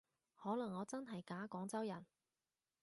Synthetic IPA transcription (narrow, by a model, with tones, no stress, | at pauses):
hɔː˨˥lɐ˨˩ŋːɔː˨˧t͡sɐ˥nɦɐ˨jkaː˨˥kɔː˨˥ŋt͡sɐ˥wjɐ˨˩n